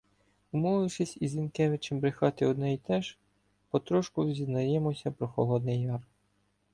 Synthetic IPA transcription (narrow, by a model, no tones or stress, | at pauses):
ʊmɔʋɪʃɪsʲizʲinkɛʋɪt͡ʃembɾɪxɑt̪ɪɔd̪nɛit̪ɛʒ | pɔt̪ɾɔʃkʊzʲiznɐjɛmɔsʲɐpɾɔxɔ̰lˠɔd̪nɪjːɑr